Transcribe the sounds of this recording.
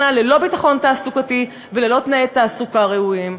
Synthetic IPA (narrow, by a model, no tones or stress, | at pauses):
nalelo̞bitaχo̞ntaːsukati | velelo̞t̪naet̪ːaːsukaʁe̞uim